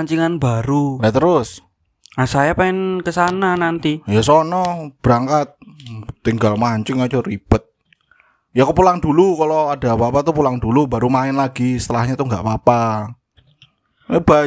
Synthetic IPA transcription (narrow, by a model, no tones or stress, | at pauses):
ɲt͡ʃiŋanbaɾujat̪əɾʊs | nasajapaɪnkəsananant̪ijasɔnɔb̥ɾaŋkat̪̚t̪ːiŋɡalmaɲt͡ʃɪŋat͡ʃɔɾib̥ət̪̚ | jakupulaŋd̪ulukaloada̤bapat̪upulaŋd̥̪uluba̤ɾumaɪnlaɡisə̥t̪əlahɲat̪uŋɡa̰ʔbapa | ba